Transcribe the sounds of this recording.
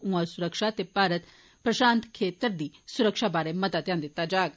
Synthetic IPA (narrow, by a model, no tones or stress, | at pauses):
ũãsʊɾəkʃat̪epaːɾət̪ | pɾəʃaːnt̪kʰeːt̪əɾd̪iːsʊɾəkʃabaːɾemət̪at̪jãːnd̪ɪt̪ːad͡ʒaːɡ